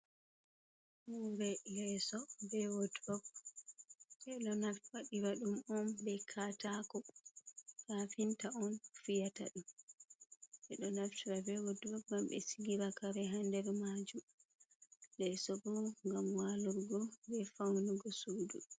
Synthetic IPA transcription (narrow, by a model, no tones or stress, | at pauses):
huɾɛlɛsɔbɛwodubɔk̚ | ɛɗɔnaftwaɗiɾaɗumɔnbɛkʰatakɔ | kafintaɔnfijata̰ɗum | ʔɛɗɔnaftiɾabɛwodubɔkɡambɛ̰siɡiɾakaɾɛɦandɛɾmad͡ʒum | lɛsɔbɔŋɡamwaluɾɡɔbɛfawnuɡɔsuːdṵ